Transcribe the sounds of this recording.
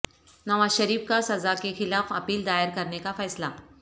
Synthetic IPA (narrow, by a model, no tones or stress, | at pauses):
nɐʋaːzʃɐɾiːfkasɐzakexɪlaːfɐpiːld̪aːjəɾkɐɾnekafɛːsla